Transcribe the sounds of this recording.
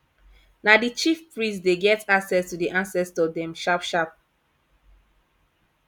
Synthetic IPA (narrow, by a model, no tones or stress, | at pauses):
nadit͡ʃifpɹĩsdeɡɛtaksɛstudiʔãnsɛstɔdɛ̃mʃapʃap̚